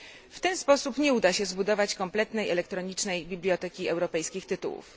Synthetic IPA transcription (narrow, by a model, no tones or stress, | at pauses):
ft̪ɛnspɔsupɲɛud̪aɕɛzbud̪ɔvat͡ɕkɔmplɛt̪nɛjɛlɛkt̪ɾɔɲit͡ʂnɛjbʲiblʲijɔt̪ɛkʲiɛwɾɔpɛjskʲixt̪ɘt̪ṵwṵf